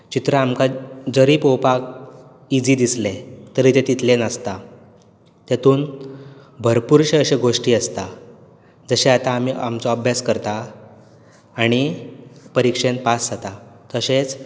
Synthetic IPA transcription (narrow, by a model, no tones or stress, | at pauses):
t͡ɕit̪ɾəamkad͡zəɾiːpopak | id͡ziːd̪islet̪əɾiːt̪et̪it̪lenəst̪a | t̪jat̪uːn | bʱəɾpuɾɕeəɕeɡʱoʂʈiːəst̪a | d͡zəɕeat̪aːm̤ia̰mt͡sɔəbʱjaskəɾt̪a | ɽ̃ipəɾikʂenpasːat̪at̪əɕet͡s